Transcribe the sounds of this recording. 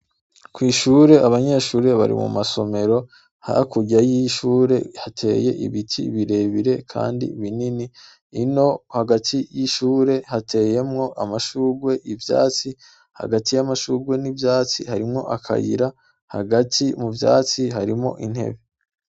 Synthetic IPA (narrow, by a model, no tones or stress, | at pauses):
kwiːʃuːɾe̞ʔaβaɲe̞ːʃuːɾe̞βa̰ɾḭmṵmaso̞me̞ɾo̞ | ha̰kuɟajiʃuːɾe̞hatʰe̞̰ːje̞̰ʔḭβitʰiβiɾe̞βiɾe̞kʰa̰ːndḭβininiː | no̞haɡatʰijiʃuːɾe̞hatʰe̞ːje̞mŋo̞ʔamaʃuːɾɡwe̞ʔivja̰ːt͡si | ha̰ɡatijamaʃuːɡwenivjaːt͡sihaɾimŋo̞̰ʔakʰa̰jḭɾa | ha̰ɡatʰimuvja̰ːt͡siɦaɾimŋo̞̰ʔin̥he̞̰βe